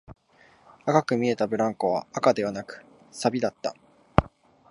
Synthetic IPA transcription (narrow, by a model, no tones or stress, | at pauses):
akakɯ̟mʲie̞t̪abɯ̟ɾãŋko̞βa̰ːkad̪e̞βanakɯ̟̥ | sabʲid̪at̪ːa̰